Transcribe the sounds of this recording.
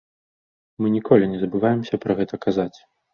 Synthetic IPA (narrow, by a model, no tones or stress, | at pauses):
mɨnʲikɔlʲinʲɛzɐbɨvajɛmsʲɐpɾɐɣɛt̪ɐkazat͡sʲ